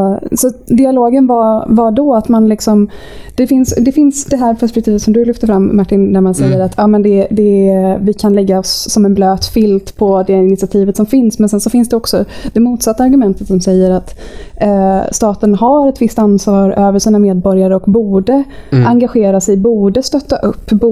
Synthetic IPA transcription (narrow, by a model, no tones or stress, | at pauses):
sɔd̪ɪaloːɡənvavaɖɔat̪manlɪksɔm | d̪̥ɛfɪnsd̪ɛfɪnsd̪ɛɦæːɾpʰɛʂpɛk̚t̪ʰiːvət̪sɔmd̪ɵlʏft̪əɾfɾamːaʈːɪnd̪æɾmansɛjːəɾat̪ʰːjɑːmɛnd̪ɛd̪ɛvɪkʰanlɛɡːaɔsːɔmɛnbløːt̪fɪlt̪pʰɔd̪ɛɪnɪt̪sɪat̪ʰiːvət̪sɔmfɪnsmɛnsɛnsɔfɪnsd̪ɛɔksɔd̪̥ɛmuːt̪sat̪ːaɾɡɵmɛnt̪ə̥t̪sɔmsɛjːəɾat̪ | st̪ɑːt̪ənɦaɾɛt̪vɪst̪ansvɑːɾøːvəʂiːnameːd̪bɔɾjaɾəɔkbuːɖə | aŋɡaɧeːɾasɛjbuːɖəst̪œt̪ːaʔɵpːb